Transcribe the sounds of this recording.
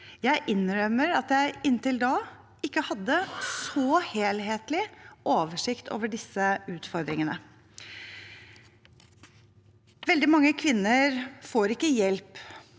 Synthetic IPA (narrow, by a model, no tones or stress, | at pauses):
jæɪʔɪnɾœmːəɾɑt̪jæɪɪnt̪ɪld̪ɑː | ɪkːəhɑd̪ːəsɔheːlɦeːt̪lɪʔoːʋəʂɪkt̪ʰo̰ːʋəɖɪsəʉːt̪fɔɾd̪ɾɪŋənə | ʋɛld̪ɪmɑŋːəkʰʋɪnːəɾfoːɾɪkːəjɛlp